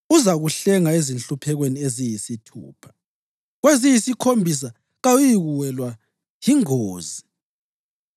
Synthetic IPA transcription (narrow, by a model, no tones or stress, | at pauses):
uzaɣuɬɛŋaezinɬupʰɛɣweniezijisitʰṵːpʰḁ | ɣwezijisikʰombʱis̬a | ɣawujiɣuwɛlwa | jiŋoːzi